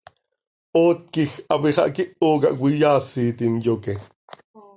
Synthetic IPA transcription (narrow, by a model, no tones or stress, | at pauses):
oːt̪̚kixɑpiχɑ̰ʔkiʔoːk̬ɑʔwijaːsiːt̪imjoke